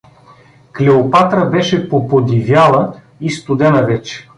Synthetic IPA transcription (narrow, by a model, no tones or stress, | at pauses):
klɛopat̪ɾəbɛʃɛpopod̪ivʲjalˠə | ist̪ʊd̪ɛnəvɛt͡ʃɛ̥